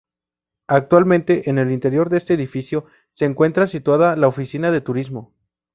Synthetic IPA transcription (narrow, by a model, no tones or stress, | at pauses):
ak̚t̪walmẽ̞nt̪e̞ʔene̞lint̪e̞ɾjo̞ɾðeest̪e̞ːðifisjo̞ | se̞ːŋkwe̞nt̪ɾasit̪waðalaofisinaðe̞t̪uɾizmo̞